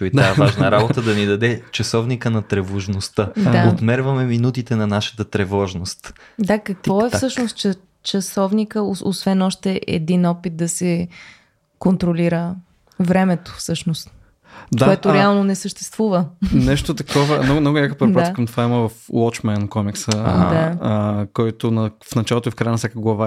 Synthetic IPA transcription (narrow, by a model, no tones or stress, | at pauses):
t̪oit̪aɛvaʒnəɾabot̪əd̪ɐnid̪ɐd̪ɛt͡ʃɐsɔvnikənɐt̪ɾɛvoʒnost̪əd̪aot̪mɛɾvɐmɛminut̪it̪ɛnɐnaʃə̥t̪ət̪ɾɛvɔʒnost̪ | d̪akɐk̪vɔɛfssɤʃnost̪̚t͡ʃɐ | t͡ʃɐsɔvnikəoosvɛnɔʃt̪ɛʔɛ̰d̪inɔpit̪̚d̪ɐsɛ | kont̪ɾoliɾə | vɾɛmɛt̪o̥fsɤʃnost̪ | d̪aoɛt̪oɾɛalˠnonɛsəʃt̪ɛst̪vuvənɛʃt̪ot̪ɐkɔvəmnɔɡnɔɡʊlʲakəpɾɛɾdɾaakɐmt̪ovaiməvɐflˠɔt͡ʃmɛnkɔmiksəd̪akɔjt̪onɐfnɐt͡ʃalˠot̪oifkɾajənɐfsjakəɡlˠɐva